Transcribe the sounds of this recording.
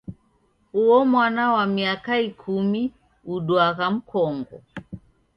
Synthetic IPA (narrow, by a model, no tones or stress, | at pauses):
uɔmwanawamiakaikʰumi | uɗwaɣam̩kʰɔŋɡɔ̰